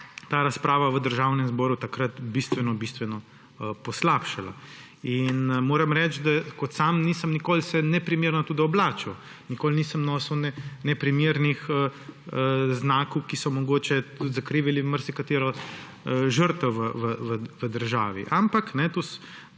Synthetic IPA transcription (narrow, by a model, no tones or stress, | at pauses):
t̪aːɾaspɾaːʋaʋəd̪əɾʒaːwnɛmzbɔːɾut̪akɾɐt̪bist̪ʋɛnɔbist̪ʋɛnɔ | pɔslapʃala̰ | inmoːɾɐmɾɛt͡ʃd̪akɔt̪samniːsəmnikoːlsɛnɛpɾimeɾnɔt̪uːd̪iɔblaːt͡ʃɐw | nikoːlniːsəmnɔsəwnɛnɛpɾimeɾnixəəznaːkowkisɔmɔɡoːt͡ʃɛt̪ut̪zakɾiːʋiliməɾsɛkat̪eːɾɔ | ʒəɾt̪ɛʋəʋəʋəʋəd̪əɾʒaːʋḭʔampaknɛt̪us